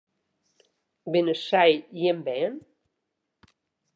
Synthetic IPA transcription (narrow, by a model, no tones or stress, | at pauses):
benəsajjembɛn